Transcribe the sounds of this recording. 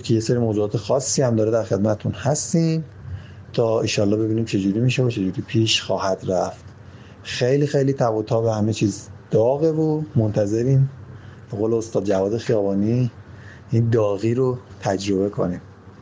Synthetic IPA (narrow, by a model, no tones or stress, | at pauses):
kʰejeseːɾimoːzuɑːt̪ʰexɒːsːiːhæmd̪ɒːɾed̪æɾxe̞d̪mæt̪ʰet̪ʰunhæst̪iːm | t̪ʰɒːeʃɒːlːɒːbe̞biːniːmt͡ʃʰe̞d͡ʒuːɾiːmiːʃevot͡ʃʰe̞d͡ʒuːɾiːpʰiʃxɒːhæd̪ɾæft̪ | xejliːxejliːt̪ʰæbut̪ʰɒːbehæme̞t͡ʃʰiːzd̪̥ɒːɣe̞vomont̪ʰæze̞ɾiːmbeɣoːleost̪ɒːd̪̚d͡ʒævɒːd̪e̞xijɒːbɒːni | ʔind̪ɒːɣiːɾot̪ʰæd͡ʒɾo̞βe̞kʰo̰niːm